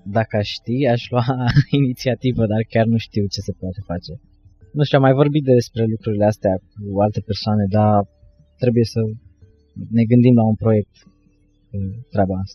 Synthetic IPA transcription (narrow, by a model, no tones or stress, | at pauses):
d̪akəaʃʃt̪iaʃluainit̪siat̪ivəd̪arkʲarnuʃt̪iwt͡ʃe̞se̞poat̪e̞fat͡ʃe̞ | nuʃt̪ʲuamajvo̞rbit̪̚d̪e̞spɾe̞lukɾuɾileast̪eak̚ualt̪e̞pe̞rsoane̞d̪a | t̪ɾe̞buje̞sə | ne̞ɡɨnd̪imlaunpɾo̞je̞k̚t̪ | et̪ɾabaast̪a